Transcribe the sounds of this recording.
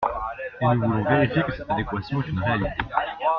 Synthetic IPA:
enuvulɔ̃veʁifjekəsɛt̪ad̪ekwasjɔ̃ɛt̪ynʁealit̪e

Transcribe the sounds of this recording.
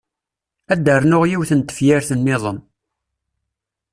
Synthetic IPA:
æd̪ːərˤnʊʁjiwθənt̪ə̥fjæɾθənːɪðˤən

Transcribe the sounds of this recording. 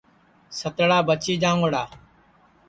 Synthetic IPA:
sət̪ɽaːbət͡ʃiːd͡ʒãːŋɽaː

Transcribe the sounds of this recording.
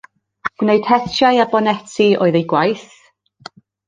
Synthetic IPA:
ɡ̥wnejd̥hɛtʰjaɨabɔnɛtʰiʔo̰ːɨðejɡwajθ

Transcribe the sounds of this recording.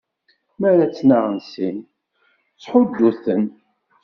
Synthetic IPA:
mæɾæt͡sːnaʁənsin | t͡sːħʊd̪ːuθən

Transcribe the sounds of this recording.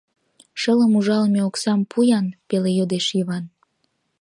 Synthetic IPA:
ʃələmuʒɑlmeoksɑmpʰujɑnpelejod̪eʃjiβɑn

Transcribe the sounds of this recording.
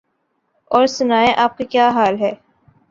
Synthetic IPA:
ɔːɾsʊnaːeʔaːp̚kakjaːɦaːlɦɛː

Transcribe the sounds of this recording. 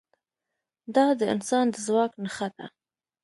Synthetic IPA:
d̪ɑd̪əɪ̰nsɑnd̪əzwɑknəxad̪a̰

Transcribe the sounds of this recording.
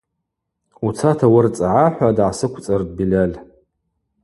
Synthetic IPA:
ut͡sʰatʰawʊrt͡sʼaʕaħʷadʕasɨkʷʰt͡sʼard̚bilʲalʲ

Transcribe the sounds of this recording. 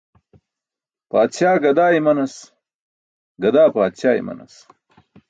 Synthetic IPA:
paːt̪ɕaːɡɐd̪aːimɐnɐs | ɡɐd̪aːpaːt̪ɕaːjḭmɐ̰nɐ̰s

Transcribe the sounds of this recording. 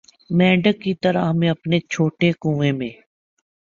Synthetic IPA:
mɛ̃ːɖəkːit̪əɾaɦmẽɐpnet͡ʃʰoːʈekũːʋẽmẽː

